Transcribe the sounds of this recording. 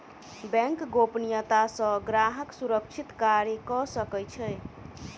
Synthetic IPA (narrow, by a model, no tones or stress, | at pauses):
bɛ̃ŋkɡopnijət̪asə̃ɡɾaɦəksuɾəkt͡ʃʰit̪kaɾjəkɔsəkɛjt͡ʃʰɛj